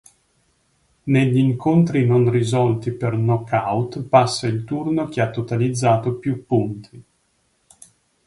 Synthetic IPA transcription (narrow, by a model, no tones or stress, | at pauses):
neʎːiːŋkont̪ɾinonrizɔlt̪ipernɔkawt̪pasːailt̪urnok̟eat̪ːot̪alid̪zːaːt̪opjupːunt̪ʰi